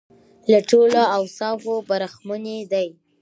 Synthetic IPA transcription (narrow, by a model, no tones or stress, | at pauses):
laʈoloawsɑvobaɾaxmuned̪aj